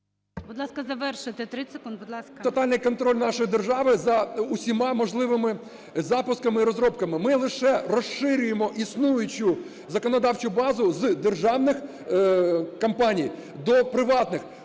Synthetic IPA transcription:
bʊd̪lˠɑskɐzɐʋɛrʃɪt̪et̪ɾɪsekund̪bʊd̪lˠɑskt̪ɔt̪ɑlʲnɪjkɔnt̪ɾɔlʲnɑʃɔjd̪e̞rʒɑʋɪzɐʊsʲimɑmɔʒlˠɪʋɪmɪ | zɑpʊskɐmɪiɾɔzɾɔpkɐmɪmɪlˠɪʃɛrɔʃɪɾʲʊjemɔʔisnujʊt͡ʃʊ | zɐkɔnɔd̪ɑwt͡ʃʊbɑzʊzd̪erʒɑwnɪx | kɐmpɑnʲij | d̪ɔpɾɪʋɑt̪nɪx

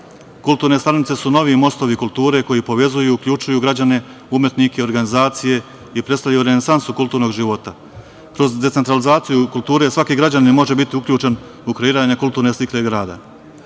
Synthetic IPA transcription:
kult̪uːɾne̞st̪aɾnit̪e̞suno̞ʋimo̞st̪o̞ʋikulˠt̪uːɾe̞ko̞jipo̞ʋe̞zujuːkʎut͡ʃujuɡɾad͡ʑane̞ | umje̞t̪nikeo̞ɾɡanizaːt̪sije̞ | ipɾest̪aʎjajuɾe̞nesansukulˠt̪uːɾno̞ɡʒiʋo̞t̪a | kɾo̞zd̪e̞t̪se̞nt̪ɾalizaːt̪sijukulˠt̪uːɾe̞sʋakiɡɾad͡ʑanimo̞ʒe̞bit̪iukʎʲuːt͡ʃe̞n | ukɾe̞iːɾaɲakulˠt̪uːɾne̞st̪ikle̞ɡɾaːd̪a̰

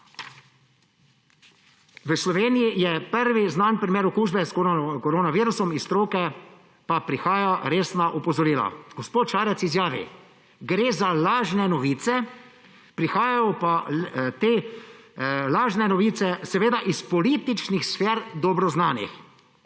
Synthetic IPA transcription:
ʋəslɔʋeːnijijɛpəɾʋiznaːnpɾimeːɾɔkuːʒbɛskkɔɾoːnaʋiːɾusɔmist̪ɾoːkɛ | papɾixaːjaɾeːsnaʔɔpɔzɔɾiːla̰ɡ̥ɔspoːt̪ʃaːɾɛtsizjaːʋḭ | ɡɾeːzalaːʒnɛnɔʋiːt̪sɛ | pɾixaːjajɔpat̪eː | laːʒnɛnɔʋiːsɛsɛʋeːd̪aʔispɔliːt̪it͡ʃnixsfeːɾd̪ɔbɾɔznaːnḭx

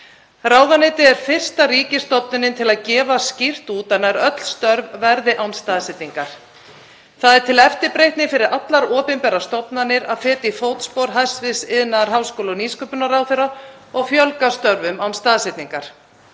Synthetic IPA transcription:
raːwðanɪjt̪ɪɛɾ̥fɪr̥st̪aɾiːcɪst̪ɔpnɪnɪnt̪ʰɪlaðcɛːvascir̥t̪uːt̪anːaɾœt̪l̥st̪œɾvvɛɾðɪʔawnst̪aːðsɛt̪niŋkaɾ̥ | θaðɛɾ̥t̪ʰɪlɛft̪ɪɾpɾejht̪nɪfɪɾɪɾʔat̪laɾɔːpɪnpɛːɾast̪ɔpnanːɪɾaðfɛːt̪ifoːwt̪spowɾɦajsvɪsɪðnaɾ̥ɦawskowlɔniːskœpʏnaɾaːwθeɾa | ɔɣfjœlkast̪œɾvʏmawnst̪aːðsɛt̪niŋkaɾ̥

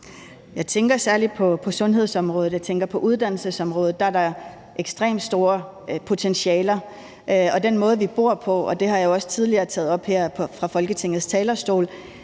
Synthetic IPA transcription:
jɑ̈ɪt͡sʰeŋɡ̥ɐsæɐli̥pʰɒ̽pʰɒ̽sɔ̽nɦe̝ð̞̰ˠsɒ̽mʁɔ̽ːð̩ˠjɑ̈ɪt͡sʰeŋɡ̥ɐpʰɒ̽ʔuð̞ˠd̥æn̰l̩səsɒ̽mʁɔ̽ːð̞̩ˠd̥ɑ̈æɐɾɑ̈ | ʔeɡ̥sd̥ʁḛːmd̥sd̥o̝ːɐ | pʰo̝t͡sʰenɕiɛːlɐ | ɒ̽d̥enmɔ̽ːð̞ˠʋib̥o̝ɐ̰pʰɒ̽ɒ̽d̥e̝ɦɑ̈jjo̝ɒ̽sə̥t͡sʰið̞ˠliɐːt͡sʰɛ̰ːð̩ˠɒ̽b̥heɐ̰pʰɒ̽fʁɑ̈fɒ̽lɡ̥ət͡sʰe̝ŋ̰ð̞̩ˠst͡sʰɛːlɐsd̥o̝̰ːl

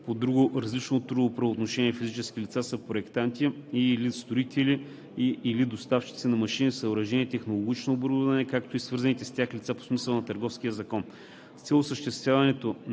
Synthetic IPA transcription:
pod̪ɾuɡʊɾɐzlit͡ʃnot̪ɾud̪opɾɐoːt̪noʃɛniɛfizit͡ʃɛsk̟ilʲit̪sasəpɾoɛkt̪ant̪ʲiilist̪oit̪ʰɛli | iːlid̪ost̪aft͡ʃi̥t̪sinɐmɐʃinisəoɾɐʒɛnʲiɛt̪ɛxnolˠoɡ̟ʲit͡ʃnoːboɾud̪ɐnɛkakt̪oisvɤɾzənit̪ɛst̪ʲaxlʲit̪sapo̥smisəlˠnɐt̪ɐɾɡɔfsk̟ijəzɐkɔn | st̪sʲɛlˠosəʃt̪ɛst̪vʲjavɐnɛt̪o

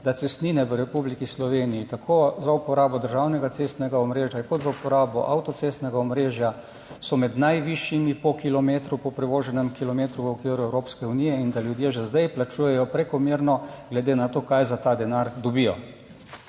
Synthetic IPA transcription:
d̪atsɛst̪niːnɛʋəɾɛpublikislɔʋeːnijit̪akʰoːzaupɔɾaːbɔd̪əɾʒaːwnɛɡat̪seːst̪nɛɡaɔmɾeːʒjakɔt̪zaupɔɾaːbɔ̰ʔa̰wt̪ɔt̪seːst̪nɛɡaɔmɾeːʒja | sɔmɛd̪najʋiʃjimipɔkilɔmeːt̪ɾupɔpɾɛʋoːʒɛnɛmkilɔmeːt̪ɾuʋəɔkʋiːɾuɛwɾoːpskɛunijɛind̪aljud̪jeʒɛzd̪ajplat͡ʃuːjɛjɔpɾɛkɔmiɾnɔɡlɛd̪eːnat̪oːkajzat̪aːd̪ɛnaɾd̪ɔbijɔ

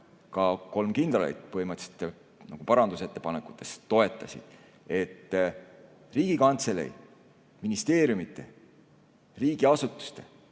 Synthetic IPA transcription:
kɑko̞lmkind̪̥ɑlḛjd̪̥̚pɤhimɑt̪se̥t̪ːˑe | nɑɡ̥upɑɾɑnd̪̥use̞t̪ːe̞pɑnekːˑu̥t̪ːˑe̞̥st̪o̞e̞t̪ˑːɑsʲḭd̪̥ | e̞t̪ː | riːɡ̥ikɑnt̪selḛj | minist̪e̞ːɾjumit̪ːˑe̞̰ | riːɡ̥iɑsut̪ːˑu̥st̪e̞

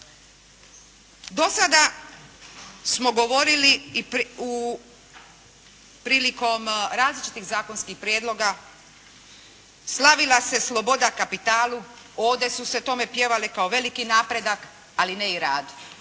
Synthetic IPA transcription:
d̪o̞sad̪a | smo̞ɡo̞ʋo̞ɾili | u | pɾiːliko̞mɾaːzlit͡ʃi̥t̪iɣzaːko̞nskixpɾjeːd̪lo̞ɡa | slˠaʋilase̞slˠo̞bo̞d̪akapit̪aːlu | o̞ːʋd̪e̞suse̞t̪o̞me̞pje̞ʋalekaoʋe̞likinaːpɾe̞d̪ak | alineiɾaːd̪

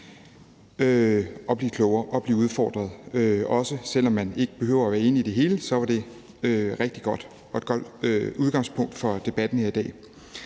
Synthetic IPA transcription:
øʔɒ̽b̥liːkʰlɔʊɐːʔɒ̽b̥liːuð̞ˠfɒ̰ːd̥ʁɐð̞ˠøɒ̽səsel̰ɒ̽mːæne̝ɡ̥əb̥e̝ɦø̰ʊ̰ɐːʋæːɐe̝ːniːd̥e̝ɦe̝ːləsɒ̽ʋɑ̈d̥e̝ | øʁɛɡ̥d̥iɡ̥ɒ̽d̥ | ɒ̽e̝d̥ɡ̥ɒ̽d̥øuð̞ˠɡ̥ɑ̈ŋspʰɔ̽ŋ̰d̥fɒ̽d̥e̝b̥æd̥n̩heɐid̥ɛ̰ː

